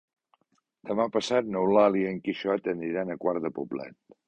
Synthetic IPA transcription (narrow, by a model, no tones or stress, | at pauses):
d̪əmapəsat̪̚nəwlaliəŋkiʃɔət̪ənd̪ɾiɾanəkwaɾðəpublɛ̰t̪̚